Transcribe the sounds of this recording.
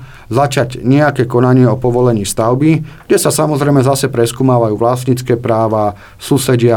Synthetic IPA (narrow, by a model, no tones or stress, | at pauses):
zat͡ʃaɟɲɛakɛːkɔnaɲɪɛɔpɔʋɔlɛɲiːst̪aʊbiɡɟɛsasamɔzɾɛjmɛzasɛpɾɛskuːmaːʋajuːʋlast̪ɲit͡skɛːpɾaːʋaː | suːsɛɟɪa